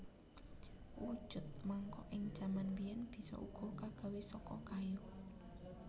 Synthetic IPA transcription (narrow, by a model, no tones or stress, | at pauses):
wud̥ʒ̥ʊ̤t̪̚maŋkɔʔɪŋd̥ʒ̥a̤manwijɛnb̥i̤sɔ̰ʔṵɡ̥ɔ̤kaɡ̥a̤wesɔkɔ̰kaju